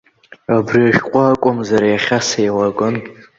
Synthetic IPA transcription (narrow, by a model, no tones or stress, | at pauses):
abriaʒkʷʼakʷʼʊmzaɾajaχʲasajwaɡʼɨn